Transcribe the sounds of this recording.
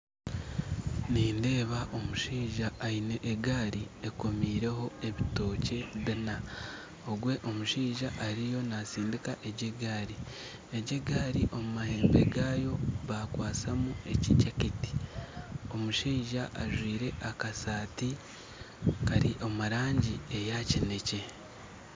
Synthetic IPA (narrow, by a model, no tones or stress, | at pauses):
niːnde̞ːβaʔo̞muʃiːʒaːine̞ʔːɡaːɾieko̞miːɾe̞ho̞e̞βito̞ːce̞βina | o̞ɡwe̞ʔo̞muʃiːʒaʔaɾijo̞nasiːndikaʔeɟeɡaːɾi | eɟeɡaːɾiʔo̞mumahe̞ːmbe̞ɡaːjo̞βakwaːsamue̞cicakiti̥ | o̞muʃiːʒaʔaʒwiːɾe̞ʔakasaːti | kaɾiʔomaɾaːɲɟiejacine̞ce̞